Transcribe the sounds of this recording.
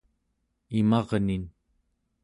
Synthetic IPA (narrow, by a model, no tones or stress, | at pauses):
imɑʁnin